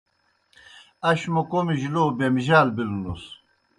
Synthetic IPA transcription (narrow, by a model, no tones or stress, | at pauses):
ɐɕmokomiʑiloːbemiʑaːlbilunus